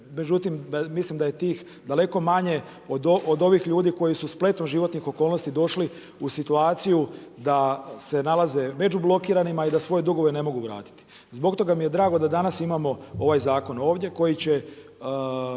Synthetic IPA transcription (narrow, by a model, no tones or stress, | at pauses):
me̞d͡ʑut̪immislimd̪aje̞t̪iːx | d̪ale̞ko̞maɲe̞ | od̪ood̪o̞ʋixʎuːd̪iko̞jisusplˠe̞t̪noʒiʋo̞t̪nixo̞kolno̞st̪id̪o̞ʃli | usit̪uaːt̪sijud̪ase̞nalaze̞me̞d͡ʑublˠo̞kiːɾanimaid̪asʋo̞je̞d̪uɡo̞ʋe̞ne̞mo̞ɡuʋɾa̰ːt̪i̥t̪i̥ | zbo̞kt̪o̞ɡamije̞d̪ɾaːɡo̞d̪ad̪anasimamo̞o̞ʋajzaːko̞no̞ːʋd̪ʲje̞ko̞jit͡ɕe̞